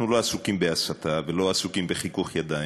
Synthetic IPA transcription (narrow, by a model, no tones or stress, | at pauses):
nuloasukimbeasat̪avelo̞asukimbeχikuχjad̪a